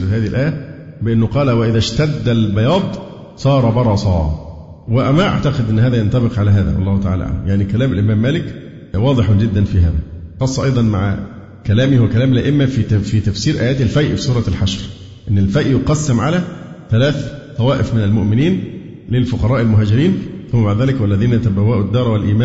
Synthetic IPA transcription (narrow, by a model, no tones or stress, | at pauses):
fhæːðihilʔæːjæ | bɪʔɪnːʊqɑːlæwæʔɪðæʃt̪æd̪ːælbɑjɑːd̪ˤ | sˤɑːɾˤɑbɑɾˤɑsˤɑ̰ː | wɪʔæmæʔa̰ʕt̪ɑqɪd̪ʔɪnːhæːðæjɑnt̪ɑbɪqʕalæɦæːðæ̰wɑlˤːɑːhʊt̪æʕa̰læʔa̰ʕlæ̰mjaʕnikælæːmælʔɪmæːmːæːlɪk | wɑːd̪ˤɨħd͡ʒɪd̪ːænfiɦæːðæqɑsˤːɑʔɑjd̪ˤɑnma̰ʕ̰ | kælæːmihwækælæːmlʔæʔɪmːæfifit̪æfsiːɾʔæːjæːt̪ɪlfæjʔfisˤuːɾˤɑlħaʃɾ | ʔɪnːɪlfæjʔjoqɑsːæmʕalæθælæːθt̪ˤɑwæːʔɪfmɪnælmʊʔmɪniːn | lɪlfʊqɑɾˤɑːʔɪlmʊɦæːd͡ʒɪɾiːnθʊmːæbaʕd̪ðæːlɪkwælːæðiːnæt̪æbæwæːʔʊd̪ːɑːɾˤɑwælʔiːmæː